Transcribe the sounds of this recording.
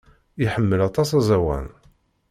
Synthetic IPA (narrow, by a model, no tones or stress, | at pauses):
iħəmːəlɑt̪ˤɑsæzæwæ̰n